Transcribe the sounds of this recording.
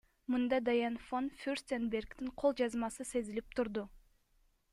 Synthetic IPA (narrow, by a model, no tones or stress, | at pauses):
mɨnd̪ɑd̪ajɑnfonfʲyrsʲt̪ʲenbe̞rkt̪iɴqʰo̞lˠd͡ʒɑzmɑsɯse̞zilip̚t̪ʰuɾd̪u